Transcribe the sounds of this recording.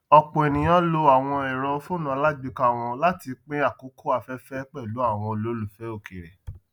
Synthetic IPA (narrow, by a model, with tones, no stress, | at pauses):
ɔ˧k͡po˨ɛ˨nĩ˨j̃ã˦lo˧a˨w̃ɔ̃˧ɛ˨ɾɔ˧fu˦nã˧˦la˦ɡ͡bi˦ka˦˨w̃ɔ̃˧la˦ti˧k͡pe˦a˦˨ko˨˦ko˦a˧fɛ˦fɛ˦k͡pɛ˦˨lu˨˦a˦˨w̃ɔ̃˧o˨lo˨˦lu˨fɛ˨˦o˦˨ke˨ɾɛ̰˨